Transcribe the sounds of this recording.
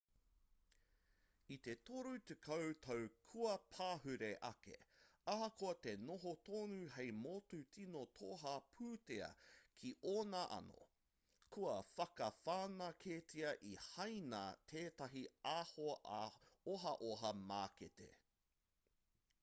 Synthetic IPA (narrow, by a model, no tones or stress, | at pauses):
it̪e̞toɾut̪ekʰɐwt̪ʰɐwkʰuɐpʰaːɦʉɾeʔɐ̰kḛakoɐt̪e̞noɦot̪oːnuɦejmotutʰinotʰoɦapʰʉːteɐ̰kʰiʔoːnaʔɐ̰no̰ | kʰuɐfɐkɐfaːnɐkʰetʰiɐʔihɐjna̰t̪ʰeːtɐɦiaho | oɦɐʔoɦɐmaːkḛtḛ